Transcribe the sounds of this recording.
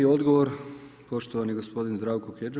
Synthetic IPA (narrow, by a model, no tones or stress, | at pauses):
iod̪ɡoʋoɾpo̞ʃt̪oʋaniɡospo̞d̪inzd̪ɾaːʋkoked͡ʒe